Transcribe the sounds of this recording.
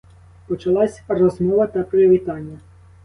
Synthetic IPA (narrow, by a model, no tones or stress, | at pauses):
pɔt͡ʃɐlˠɑsʲrɔzmɔʋɐt̪ɐpeɾeʋʲit̪ɑnʲːɐ